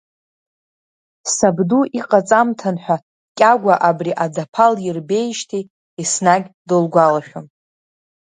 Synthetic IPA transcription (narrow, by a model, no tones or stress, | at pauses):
sabduʔiqʼat͡sʼamtʰanħʷᶣa | kʲʼaɡʷaʔabriʔad͡zapʰaljɪrbe̞jʃtʰi | isnaɡʲdolɡʷalaʃᶣom